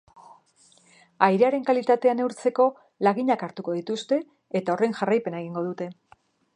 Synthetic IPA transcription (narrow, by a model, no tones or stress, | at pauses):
ajɾe̞aɾe̞ŋkalit̪at̪e̞ane̞uɾt͡se̞ko̞ | laɣiɲakaɾt̪uko̞ðit̪ust̪e̞ː | t̪ao̞re̞ŋʝarajpe̞naeɣ̞iŋɡo̞ðut̪e̞